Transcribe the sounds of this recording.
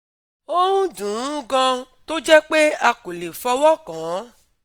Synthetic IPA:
o˦ɾũ˦dũ˨ũ˦ɡã˧ | to˦d͡ʒɛ˦k͡pe˦a˧ku˨le˨fɔ˧wɔ˦kã˨˦

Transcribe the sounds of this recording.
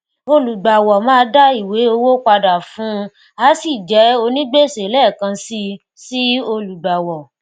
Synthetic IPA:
o˧lu˨ɡ͡ba˨wɔ˨mãː˦˧˦da˦i˦˨we˨˦o˧wo˦k͡pa˧da˨fũ˨˦ | a˨˦si˦˨d͡ʒɛ˨˦o˧nĩ˦ɡ͡be˦˨se˨˦lɛ˦˨kã˧si˧ | si˦o˧lu˨ɡ͡ba˨wɔ˨

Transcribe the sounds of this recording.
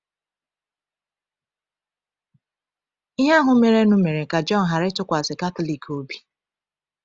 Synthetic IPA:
i˦ɦa˦ɦʊ˨me˨ɾe˨˦nʊ˦me˨ɾe˨ka˨d͡ʒɔ˦n̩˨ɦa˨ɾɪ˦tʊ˦kʷa˨sɪ˨ka˦to˦li˨kʰo˨bi˦

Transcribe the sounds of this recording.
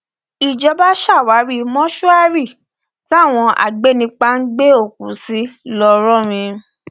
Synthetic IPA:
i˨d͡ʒɔ˧ba˦ʃa˦˨wa˨˦ɾi˦˨mɔ̃˦ʃu˦a˦ɾi˦˨ | ti˦a˦˨w̃ɔ̃˧ʔa̰˨ɡ͡be˨˦nĩ˧˦k͡pa˧˦n̩˦ɡ͡be˦o˦˨kũ˨˦si˦lɔ˧ɾɔ̃˦˨ɾ̃ĩ˧

